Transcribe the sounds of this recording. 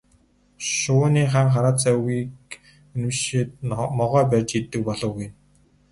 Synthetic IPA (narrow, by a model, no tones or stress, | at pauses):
ʃʊːniːχaːŋχaɾaːt͡sœɣiːk | ɵnɘ̆mʃit̪̚mɔʁœːp̬æːrt͡ɕit̪ːɘ̆k̚pɔɮɞ̆ːɡuj